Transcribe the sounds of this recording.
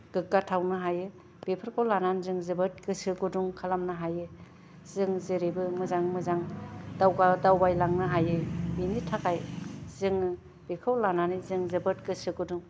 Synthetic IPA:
ɡ̥ɯkːatʰawnɯɦajɯ | b̥epʰɯɾkʰolananzɯŋzɯbɯt̚ɡɯsɯɡɯduŋkʰalamnɯɦajɯ | zɯŋzɯɾibɯmɯzaŋmɯzaŋdawɡadawbajlaŋnɯɦajɯinitʰakajzɯŋ | b̥ekʰɯwlananizɯŋzɯbɯtɡɯsɯɡɯduŋ

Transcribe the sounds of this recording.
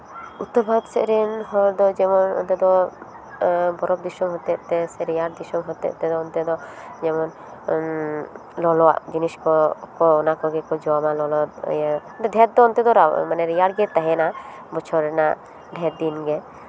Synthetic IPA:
ut̪ɔbʱad̪sɛ̰ʔɾɛnɦɔɾd̪ɔd͡ʒɛmɔnɔ̰nt̪ɛd̪ɔ | bɔɾɔb̚d̪isɔmɦɔt̪ɛʔt̪ɛsɛɾijaɽd̪isɔmɦɔt̪ɛ̰ʔt̪ɛd̪ɔɔnt̪ɛd̪ɔ | d͡ʒɛmɔn | lɔlɔa̰ʔd͡ʒiniskɔkɔɔnakɔɡɛkɔd͡ʒɔwamalɔlɔt̪j | t̪ɛd̪ʱɛt̪̚d̪ɔːnt̪ɛd̪ɔɾamanɛɾijaɽɡɛt̪aɦɛna | bɔt͡ʃʰɔɾɛnaʔ | d̪ʱɛt̪̚d̪inɡɛ

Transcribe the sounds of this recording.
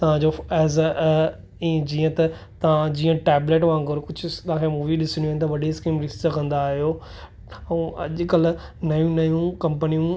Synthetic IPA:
t̪ɐʋ̤ãd͡ʑoɛːz | ĩːd͡ʑiːə̃t̪ɐ | t̪ɐʋ̤ãd͡ʑiːə̃ʈɛːbleːʈʋãːŋɡɐɾkʊd͡ʑʱʊt̪ɐʋ̤ãːkʰemuːʋiɗɪsɳ̃juɦɪnɪt̪ɐʋɐɗeskiːmɾɪsəkɐ̃nd̪aːɦijoː | ɛ̃ːɐ̰ʄkɐl | nɐjũnɐjũkɐ̃mpənijũ

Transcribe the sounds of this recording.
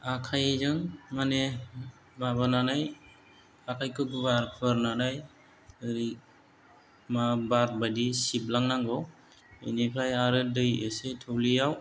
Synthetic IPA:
akʰajzɯŋmane | baβananaj | akʰajkʰɯɡubaɾpʰɯɾnanaj | ɾi | mabat̚badisip̚laŋnaŋɡɔw | ḛnipʰajaɾɯdɯjɯsetʰɯwlijaw

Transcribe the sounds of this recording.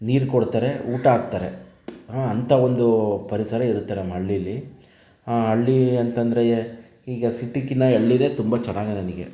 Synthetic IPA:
niːɾkoɽt̪aːɾe̞uːʈɐaːɡ̚t̪aːɾe̞ | ɐnt̪ʰɐo̞nd̪upɐɾisɐɾɐiɾut̪ːaːɾemɐɭːilːi | aːɦɐɭːiɐnt̪ɐnd̪ɐɾe̞ | iːɡɐsiʈːikinɐɐɭːine̞ːt̪umbɐt͡ʃɐnːaːɡɐnɐniɡe̞̰

